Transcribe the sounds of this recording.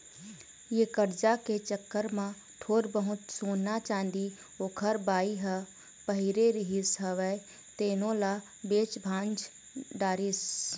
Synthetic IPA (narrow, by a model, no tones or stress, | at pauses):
jekəɾd͡ʒaket͡ʃəkːəɾmã | ʈʰoːɾbəɦʊt̪soːnat͡ʃãːnd̪i | oːkʰəɾbaːiɦə | pəɦɪɾeɾɪɦisɦəʋɛ | t̪eːnõla | beːt͡ʃbʱãːnd͡ʒ | ɖaːɾis